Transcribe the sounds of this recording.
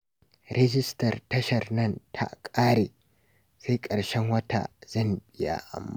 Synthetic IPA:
ɾʔɛ˦d͡ʒɪ˦stɐ˨rtɐ˦ʃɐ˨rnɐ˦˨ntʰa̰˦kʼaː˦ɾeː˨ | sa˦jkʼɐ˨ɽʃɛ˦ŋwɐ˦tʰa̰˨zɐ˦˨mbɪ˦ja̰˦ʔa̰˨mːa˦

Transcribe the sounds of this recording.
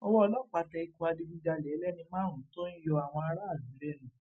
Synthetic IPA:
ɔ˧wɔ˦˧lɔ˦˨k͡pa˧tɛ˧i˧ku˧a˧di˧bĩ˦da˧lɛ˨˦lɛ˦˨nĩ˧mãː˦ɾũ˨˦to˦n̩˦jɔ˧a˨w̃ɔ̃˧a˧ɾa˦a˦˨bĩ˨˦ɾɛ˦nũ˨

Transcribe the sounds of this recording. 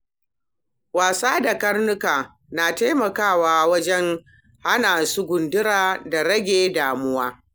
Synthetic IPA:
waː˨saː˦da˨kɐ˦rnʊ˦kaː˨ | naː˨ta˦jmɐ˨kaː˦˨waː˦wɐ˦d͡ʒɛ˦ŋ | ha˦naː˨su˦ɡʷʊ˨ndɪ˦ɾaː˨da˨ɾɐ˦ɡʲeː˦˨daː˨mʊ˦waː˦

